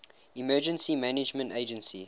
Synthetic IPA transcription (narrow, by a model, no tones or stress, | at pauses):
imɜːd͡ʒə̃nsimænɪd͡ʒmə̃nteɪd͡ʒə̃nsḭ